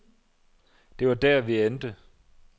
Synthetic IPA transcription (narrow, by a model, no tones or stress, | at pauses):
d̥e̝ʋɑ̈d̥æɐʋiend̥ə